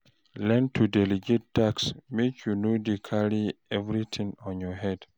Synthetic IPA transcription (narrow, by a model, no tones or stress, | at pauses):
lɛ̃ntʰudɛliɡet̚taksmekʰjunodikʰaɾiɛvɾit̪ʰĩŋɔ̃njɔhɛd